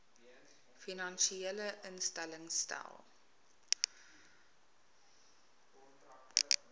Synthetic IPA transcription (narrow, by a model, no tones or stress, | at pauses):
finɑnʃieləʔənstæləŋstæ̰lˠ